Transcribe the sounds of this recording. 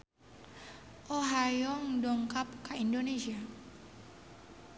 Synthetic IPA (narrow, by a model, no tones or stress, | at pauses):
ʔoɦajɔŋdɔŋkap̚kaindonesia